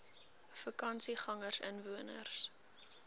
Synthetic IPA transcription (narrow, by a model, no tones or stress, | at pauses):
fəkɐnsiχɐŋərsə̰nvuənərs